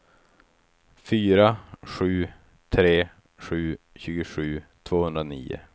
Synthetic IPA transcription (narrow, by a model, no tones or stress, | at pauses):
fyːɾaɧʉ̟ː | t̪ʰɾeː | ʂʉ̟ː | ɕʉ̟ːɡəʂʉ̟ːt̪ʰv̥oːhɵnd̪ɾanḭːʊ̰